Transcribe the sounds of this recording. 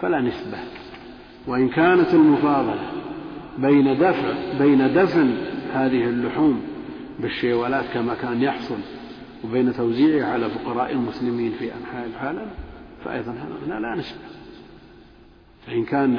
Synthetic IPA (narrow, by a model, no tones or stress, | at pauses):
falanɪsba | wɪʔɪnkaːnat̪ɪlmʊfɑːðˤɑlɑbeːnad̪afʕbeːnad̪afnhaːðɪhɪlːʊħuːm | bɪʃːeːwaːlaːt̪kamakaːnjɑħsˤʊl | wbeːnat̪awziːʕɪʕalafʊqɑɾˤɑːʔɪlmʊslɪmiːnfiʔanħaːʔɪlʕaːlamfa̰ʔɑ̰jðˤɑnha̰ða̰nalanɪsba | faʔɪnkaːn